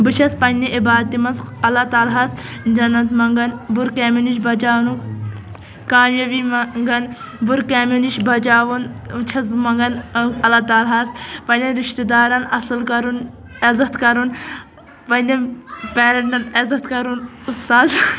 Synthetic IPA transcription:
bɨt͡ʃʰɐspɐnːiʔibaːd̪̚t̪imɐnsɐlat̪aːlɦɐsd͡ʒɐnːɐt̪mɐŋɡɐnbuɾkeːminiʃbɐd͡ʒaːnu | kaːmjɐʋimŋɡɐn | buɾkaːminiʃbɐd͡ʒaːʋunt͡ʃʰɐsmɐŋɡɐnɐlaːt̪aːlɦɐspɐnɐɾiʃt̪id̪aːɾɐnɐsɨlkɐɾun | ezɐt̪kɐɾun | pɐnɐpeːɾɐɳʈɐnɐzɐt̪kɐɾunust̪aːz

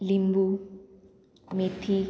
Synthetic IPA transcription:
limbu | met̪ʰi

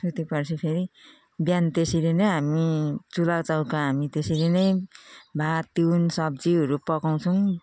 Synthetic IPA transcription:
sut̪ipʌrt͡sʰipʰeɾi | bjant̪esilenʌjɦamit͡sulawt͡sawkaɦamit̪esilenʌjbʱat̪iwnsʌb̚d͡ziɦʌɾupʌkaw̃t͡sʰʌw̃

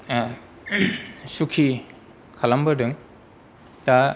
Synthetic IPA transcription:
sukʰi | kʰalambɐdɯŋ | ta

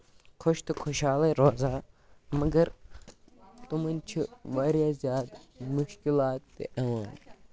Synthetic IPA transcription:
kʰoʃt̪ɨkʰoːʃaːlɐɾoːzaː | mɐɡɐɾ | t̪umɐnʲt͡ʃʰiʋaːɾjaːzjaːd̪mʊʃkilaːt̪ːḭʔɐn

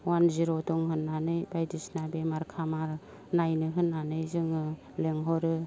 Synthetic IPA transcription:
wanziɾodɔŋɦɯnːanɯjbajdisnabemaɾkʰamaɾ | najnɯɦɯnːanɯjzɯŋɯ | leŋɦɔɾɯ

